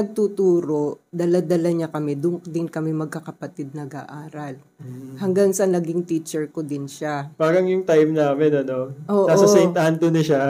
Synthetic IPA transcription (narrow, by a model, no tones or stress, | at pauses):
nɐɡ̚t̪ut̪uːɾo̞ʔd̪ɐlad̪ɐlɐɲakɐmɛd̪ʊŋd̪ɪnkɐmɛmɐɡ̚kɐkɐpɐt̪ɪd̪̚nɐɡa̰ʔaːɾɐl | hɐŋɡaŋsɐnɐɡɪŋt̪iːt͡ʃɛɹkod̪ɪnʃabaːɡɐŋjʊŋt̪ajmnaːmɛnɐno̞ʔoːʔnasɐsɛnt̪ɐhant̪onɐʃa